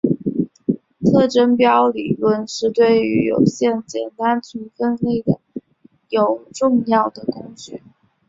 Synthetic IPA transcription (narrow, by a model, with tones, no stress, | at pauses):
t̪ʰɤ˥˩ʈ͡ʂə˥npjɑ˥ʊli˨˩lwə˥˧nʂɻ̩˥˧t̪we˥˩ɪy˧˥jo˨˩ʊɕjɛ˥˩nt͡ɕjɛ˨˩nt̪a˥nt͡ɕʰy˧˥nfə˥˧nle˥˩ɪd̪ə˩ | jo˨˩ʊʈ͡ʂʊ˥˧ŋjɑ˥˩ʊd̪ə˩kʊ˥ŋt͡ɕy˥˩